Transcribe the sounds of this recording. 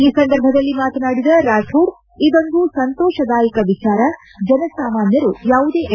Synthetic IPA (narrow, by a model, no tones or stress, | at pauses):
iːsɐnd̪ɐɾbʱɐd̪ɐlːimaːt̪ɐnaːɽid̪ɐɾaːʈʰuːɽ | id̪ond̪usɐnt̪ɔːʃɐd̪aːjikɐʋit͡ʃaːɾɐ | d͡ʒɐnɐsaːmaːnjɐɾujaːʋud̪eː